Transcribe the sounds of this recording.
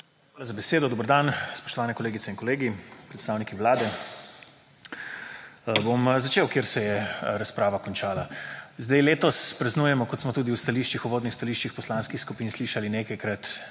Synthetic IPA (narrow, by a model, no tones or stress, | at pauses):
xʋalazabɛseːd̪ɔd̪oːbəɾd̪anspɔ̥ʃt̪ɔʋaːnɛkɔleːɡit̪sɛinkɔleːɡipɾɛt̪st̪aːwnikiʋlaːd̪ɛ | bomzat͡ʃeːwkjeɾsɛjɛɾaspɾaːʋakɔnt͡ʃaːlazd̪ajleːt̪ɔspɾɐznuːjɛmɔkɔt̪smɔt̪uːd̪iuwst̪aliːʃt͡ʃixuʋoːd̪nixst̪aliʃt͡ʃixpɔslanskixskupiːnsliːʃalineːkajkɾat̪